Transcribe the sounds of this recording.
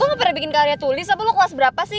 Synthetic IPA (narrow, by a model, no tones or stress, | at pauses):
aməpəɾabikɪnkaɾiat̪ulɪsapaloklasbəɾapasɪ